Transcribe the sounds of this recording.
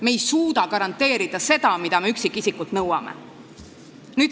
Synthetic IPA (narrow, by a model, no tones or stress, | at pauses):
me̞jsuːd̪̥ɑkɑɾɑnt̪ːˑe̞ːɾid̪̥ɑse̞d̪̥ɑmid̪̥ɑme̞yksikːisikːult̪nɤwɑ̰mḛ | nyː